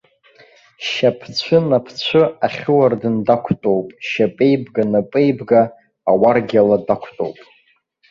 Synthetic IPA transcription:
ʃapʰt͡ɕʷʰɨnapʰt͡ɕʷʰɨaχʲɪwardɨndakʷʰtʼowpʼʃapʼe̞jbɡanapʼe̞jbɡaː | warɡʲaladakʷʰtʼo̰wpʼ

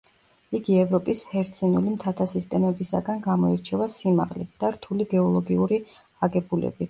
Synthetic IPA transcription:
iɡiɛvɾɔpʼishɛɾt̪sʰʼinulimt̪ʰat̪ʰasist̪ʼɛmɛbisa̰ɡanɡamɔiɾt͡ʃʰɛvasima̰ʁlid̪̥aɾt̪ʰuliɡɛɔlˠɔɡiuɾi | aɡɛbulɛ̰bi

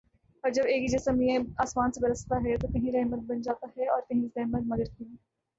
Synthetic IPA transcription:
ɔːɾd͡ʒɐbeːkid͡ʒɐsəmiẽaːsmaːnsebɐɾəst̪aɦɛt̪okɐɦĩɾɛɦmət̪̚bɐnd͡ʒaːt̪aɦɛɔːɾk̪ɐɦĩɾɛɦmət̪̚mɐɡəɾt̪i

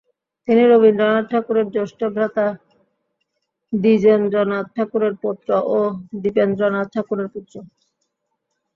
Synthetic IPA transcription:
t̪iniɾobinɾɔnaʈʰakuɾeɾd͡ʑoʃʈobʱɾat̪a | d̪id͡ʑenɾɔnad̪̚ʈʰakuɾeɾpot̪ːɾoʔod̪ipend̪ɾɔnat̪̚ʈ̪ʰakuɾeɾput̪ːɾo

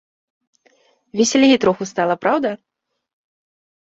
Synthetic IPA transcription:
vʲɛsʲɛlʲɣʲit̪ɾɔxust̪alˠɐpɾawd̪ɐ

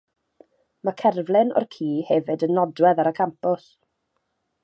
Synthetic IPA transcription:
makʰɛrvlˠɪnɔ̰rkʰiːhɛvɨdənːɔdwɛðaɾəkʰampʊs

